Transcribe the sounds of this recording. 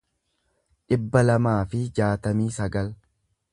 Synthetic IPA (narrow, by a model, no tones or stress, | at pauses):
ᶑɪbːɐlɐmaːfɪd͡ʒaːt̪ɐmiːsɐɡɐl